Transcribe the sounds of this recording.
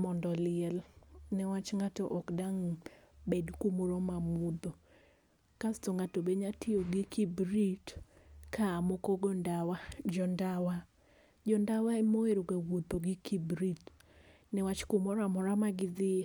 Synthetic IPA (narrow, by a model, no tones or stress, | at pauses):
mɔndɔlɪɛlnɛwat͡ʃŋatɔʔɔkdaŋbedkumoɾomamud̪o | kastoŋatobeɲatʰioɡikʰibɾitkaːmokoɡɔndawad͡ʒɔndawa | d͡ʒɔndawaemoeɾuɡawud̚oɡikibɾit | nɛwat͡ʃkumɔɾamɔɾamaɡɪd̪ɪ